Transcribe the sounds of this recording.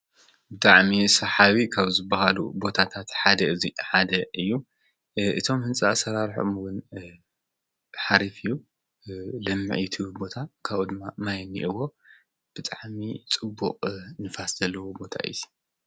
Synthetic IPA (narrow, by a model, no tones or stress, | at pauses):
bɨt̪ʼaʕmisɐħaβikʰaβzɨbːɐhalṵbo̞t̪ʰat̪ʰat̪ħad̪ɐɨziħad̪ɐʔɨjːu | ʔɨt̪ʰo̞mhɨnt͡sʼɐasɐɾaɾħomwʊn | ħaɾifɨjːu | lɐmːɨʕit̪ʰɨbo̞t̪ʰakʰaβud̪ɨmːamajnːḭʔɨwo̞ | b̥ɨt̪ʼaʕmit͡sʼɨbːṵqʼnɨfaszɐlːɐwobo̞t̪ʰa̰ʔɨ̰ji̥